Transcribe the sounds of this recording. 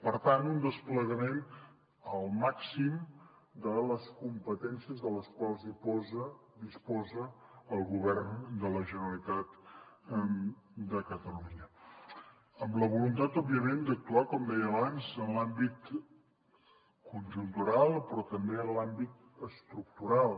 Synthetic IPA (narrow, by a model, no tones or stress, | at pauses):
pəɾt̪ant̪und̪əspləɣəmen | əlˠmaksim | d̪ələskumpət̪ɛnsiəzðələskwalˠzðipɔzəd̪ispɔzəːlˠɣuβɛrnd̪ələʒənəlit̪at̪ | d̪əkət̪əluɲə | əmləβulunt̪at̪ɔbiəmend̪ək̚t̪uakɔmd̪ɛjəːβanzənlambit̪ | kunʒunt̪uɾalˠpɾɔt̪əmbeənlambit̪̚ | əst̪ɾuk̚t̪uɾalˠ